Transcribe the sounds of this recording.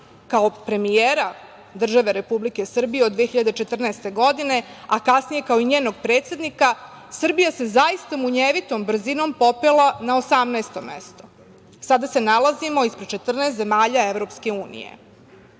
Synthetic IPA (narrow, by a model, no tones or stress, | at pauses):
kao̞pɾe̞mijeɾa | d̪r̩ʒaʋe̞ɾe̞publike̞sr̩bijeod̪ːʋeçiʎad̪et͡ʃe̞t̪r̩nɛːst̪e̞ɡo̞d̪ine̞akasnije̞kao̞iɲeːno̞ɡ̚pɾe̞ːt̪sʲe̞d̪nika | sr̩bijase̞zajist̪amuɲeʋit̪o̞mbr̩zino̞mpo̞pelanaosamnaest̪omḛst̪o̞ | sad̪ase̞nalazimo̞ispɾet͡ʃe̞t̪r̩nest̪ze̞maːʎaevɾo̞pske̞uːnḭjḛ